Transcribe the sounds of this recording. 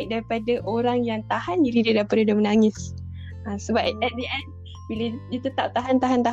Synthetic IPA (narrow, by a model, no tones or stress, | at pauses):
ik̚daɾipadaʔoɾaŋjaŋt̪ahaniɾidədapadədəmənaŋɪs | asəbapɛt̪̚diʔɛn | bilədit̪ət̪ap̚t̪aɦant̪aɦant̪a